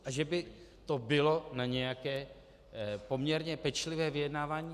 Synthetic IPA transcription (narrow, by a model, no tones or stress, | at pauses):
ʔaʒɛbɪ | t̪o̞bɪlo̞naɲɛjakɛː | po̞mɲɛɾɲɛpɛt͡ʃlɪvɛːvɪjɛdnaːvaːɲiː